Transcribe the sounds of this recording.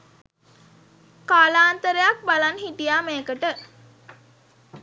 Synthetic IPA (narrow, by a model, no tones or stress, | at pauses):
kaːlaːnt̪əɾejak̚balanɦiʈijaːmeːkəʈə